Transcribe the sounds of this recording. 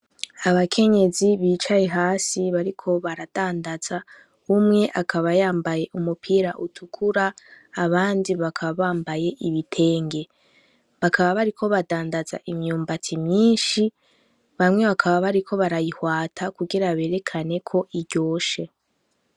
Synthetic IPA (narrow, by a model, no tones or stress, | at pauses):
aβakʰe̞ɲe̞ziβiːt͡ʃajeɦaːsiβaɾikʰo̞βaɾad̥aːndaz̥a | umŋe̞ʔakʰaβajaːmbaje̞ʔumupʰiːɾaʔutʰukʰuɾaːβaːndiβakʰaβaβaːmbaje̞ʔiβitʰe̞ːŋɡe̞ | βakʰaβaβaɾikʰo̞βadaːndaza̰ʔimɲuːmbatʰimɲiːnʃi | βamŋe̞βakʰaβaβaɾikʰo̞βaɾajihwaːtʰakuɡiɾaβe̞ːɾe̞kʰane̞kʰo̞ʔiɾɟo̞ːʃe̞